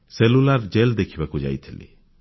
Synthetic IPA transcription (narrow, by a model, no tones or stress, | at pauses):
selulaɾd͡ʒeld̪ekʰibakud͡ʒa̰ːit̪ʰilḭ